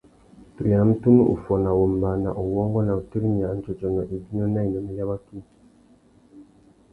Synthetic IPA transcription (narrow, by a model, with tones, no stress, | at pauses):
tu˨ja˨˦m̩˦tu˦mu˦ʔṵ˨fɔ˨na˨wo˨m˨ba˨na̰˨ʔu˨wɔ˦ŋɡɔ˦na˨u˨ti˦ɾi˦mi˨a˨˦n˦t͡ʃɔ˨t͡ʃɔ˨nɔ˨ʔi˨bi˦nɔ˦na˦i˨nɔ˦mi˦la˦βa˦ki˦